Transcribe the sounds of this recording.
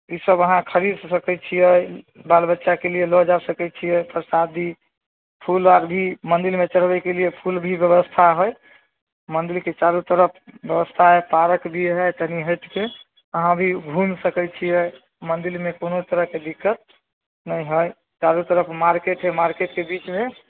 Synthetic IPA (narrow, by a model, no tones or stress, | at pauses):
isəbəɦãkʰəɾid̪səkɛt͡ʃʰijəj | balbətːʃakelielɔd͡ʒasəkɛt͡ʃʰijɛjpəɾsad̪ʱi | pʰulaɾbʱimənd̪ilmet͡ʃəɽ̤bɛkelijepʰulbʱibjəβəst̪ʰaɦoj | mənd̪ilket͡ʃaɾut̪əɾəpʰbjəbəst̪ʰaɦepaɾəkbʱiɦɛjt̪əɦniɦəjt̪ke | əɦãbʱibʱumsəkət͡ʃʰijəj | mənd̪ilmekonot̪əɾəɦked̪ikːət̪̚ | nəjɦəj | t͡ʃaɾut̪əɾəpʰmaɾkeʈɦɛmaɾkeʈkebit͡ʃme